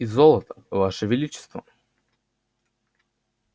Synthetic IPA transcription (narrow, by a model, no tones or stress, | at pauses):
izolˠət̪ə̥vaʂəvʲɪlʲit͡ɕɪ̥st̪və